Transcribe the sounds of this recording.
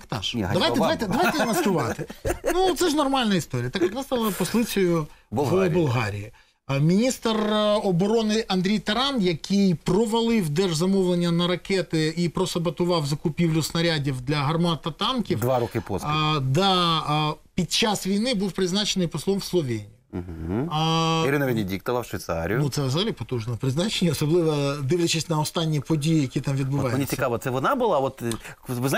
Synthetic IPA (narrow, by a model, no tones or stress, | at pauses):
kt̪ɑ̰ʃdɐʋaj̪ɛdɐajt̪ɛd̪ɐʋajt̪ɛnɐst̪ʊʋɑt̪ɪnut̪sɛʒnɔrmɑlʲnɐist̪oɾʲijɐt̪ɑkjɐk̪nɑst̪ɑlˠɐpɔslˠɪt͡sʲɔjʊblbʊlˠɦɑ̰ɾʲḭji | mʲinʲist̪rɔbɔɾɔnɪʔɐnd̪ɾʲijt̪ɐɾɑnjɐkɪjprɔʋɐlˠɪwd̪ɛrʒzɐmɔwlˠenʲːɐnɐɾɐkɛt̪ɪipɾɔsɐbɐt̪ʊʋɑwzɐkʊpʲiwlʲʊsnɐɾʲadʲiwd̪lʲɐɦɐrmɑt̪ɐt̪ɑnkʲifd̪ʋaɾɔkɪpɔ̰zd̪ɑ | pʲid̪̚t͡ʃɑsʋʲijnɪbuwpɾɪznɑt͡ʃenɪjpɔslˠɔmwslˠɔʋʲenʲijim̩ɦ̩ | iɾɪnɐʋʲɪnʲɪdʲik̚t̪ɔʋɐwʃʋʲɪjt̪sɑ̰ɾ̰ʲjnut̪sɛzɐɦɐlʲipɔt̪uʒnɔpɾɪznɑt͡ʃenʲiɔsɔblˠɪʋɐd̪ɪʋlʲɐt͡ʃɪsʲtʲnɐɔst̪ɑnʲːipɔdʲijijɐkʲit̪ɑmʋʲid̪bʊʋɑjnʲisʲɪkɑʋɐt̪sɛʋɔnɑbʊlˠɑɔt̪ʋɪz